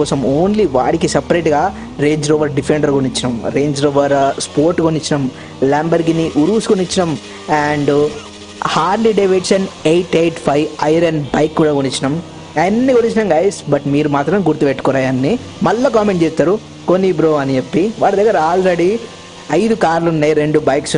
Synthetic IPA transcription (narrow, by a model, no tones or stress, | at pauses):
kɔːsɐmoːnliʋa̰ːɽikisɐpɾeːʈɡaː | ɾe̞ːɲd͡ʒɾoːʋɐɾɖipʰeɳɖɐɾɡonit͡ʃːinɐmɾeːɲd͡ʒɾoːʋɐɾspoːɾʈɡonit͡ʃːinɐm | laːmbɐɾɡiniʔuɾuːsukonit͡ʃːinɐm | aːɳɖ | haːɾliɖɐʋeʈsɐnejʈejʈpʰɐjʋɐjɾenbɐjkːuːɽaːɡonit͡ʃːinɐm | ɐnːiɡonit͡ʃinɐmɡɐjsbɐʈmiːɾumaːt̪ɾɐmɡuɾt̪upeʈːu̥kɔɾaːjaːnːi | mɐlːɐkaːmeɳʈt͡ʃeːst̪aːɾu | konːibɾoːɐnid͡ʒepːiʋaːɽɐd̪ɐɡːɐɾɐaːlɾeɽi | ɐjd̪ukaːɾlunːɐjɾe̞ɳɖubɐjks